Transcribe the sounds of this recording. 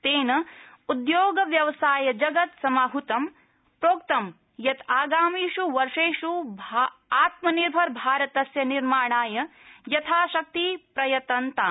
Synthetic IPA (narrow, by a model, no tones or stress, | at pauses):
t̪eːnɐud̪joːɡɐʋjɐʋɐsaːjɐd͡ʒɐɡɐt̪sɐmaːɦut̪ɐm | pɾoːk̚t̪ɐm | jɐt̪aːɡaːmiːʃuʋɐɾʂeːʃubʱaaːt̪mɐniɾbʱɐɾbʱaːɾɐt̪ɐsjɐniɾmaːɳaːjɐjɐt̪ʰaːʃɐk̚t̪ipɾɐjɐt̪ɐnt̪aː